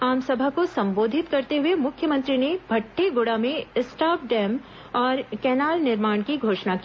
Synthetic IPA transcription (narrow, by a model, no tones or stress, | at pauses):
aːmsɐbʱakosɐ̃mboːd̪ʱɪt̪kɐɾt̪eɦʊemʊkʰjəmɐ̃nt̪ɾinebʱɐʈʰːeɡʊːɽamẽsʈaːp̚ɖɛːm | ɔːɾkɛːnaːlnɪɾmaːɳ̃kiɡʱoːʃnaki